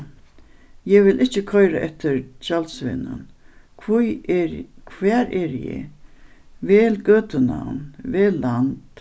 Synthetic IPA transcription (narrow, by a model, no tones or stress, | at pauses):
jɛʋɪlʔɪht͡ɕːɪkʰɔjɾaʔɛht̪ɪɾt͡ɕalt̪svɪ̰nʊ̰nʰ | kʰvɛːɾɛɾjɛ̰ | vɛːlɡøːt̪əna̰wnvɛːlːant̪